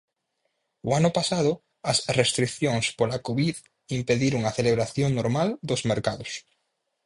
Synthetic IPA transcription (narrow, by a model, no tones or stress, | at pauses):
ʊanʊpasaðʊ | ɐsrest̪ɾikθjoŋspolakoβið | impeðiɾʊŋɐθeleβɾaθjoŋnoɾmald̪ozmeɾkaðʊs